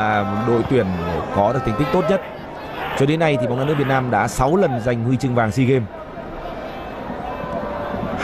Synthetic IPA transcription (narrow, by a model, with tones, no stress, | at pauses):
ɗo̰˧˨jt̪wi˨˩ənkɔ˨˦ɗɨ˨˩k̚t̪i˨˩ŋt̪ï˦˥k̚t̪o˦˥t̚ɲə˦˥t̚ | t͡ɕɔ˧ɗe˨˦nːa˧jt̪ʰi˨˩a˨ŋ͡maː˧nɨ˦˥vtnː˧mɗa̰ː˧˥sa˨˦wlə˨˩nza˨˩jŋ̟hwi˧t͡ɕɨ˧ŋvaː˨˩ŋsi˧ɣe˧m | h